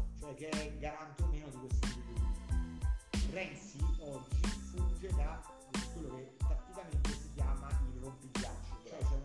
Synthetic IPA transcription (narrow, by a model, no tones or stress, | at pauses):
t͡ʃoɛk̟ːeɛɡaɾant̪omeːnod̪ikwest̪iibid̪oi | rɛnsiɔd͡ʒːifund͡ʒed̪a | kːwelːokepɾat̪ːikament̪esikjaːmailːompiɡːat͡ʃːot͡ʃoɛt͡ʃɛ